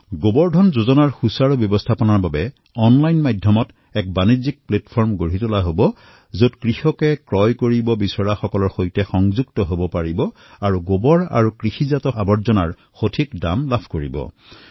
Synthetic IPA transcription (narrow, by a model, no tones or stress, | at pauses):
ɡobɔɹdʱɔnzozɔnaɹxusaɹubjɔbɔstʰapɔnaɹbabɛ | ɔnlajnmadʱjɔmɔt | ɛk̚banizik̚plɛtpʰɔɹmɡoɹitʊlaɦobɔ | zotkɹixɔkɛkɹɔjkoɹibɔbisɔɹaxɔkɔlɔɹxojtɛxɔŋzuɡ̚tɔɦobɔpaɹibɔ | aɹuɡobɔɹa̰ɹukɹixizatɔabɔɹzɔnaɹ | xotʰikda̰mlapʰkoɹḭbɔ̰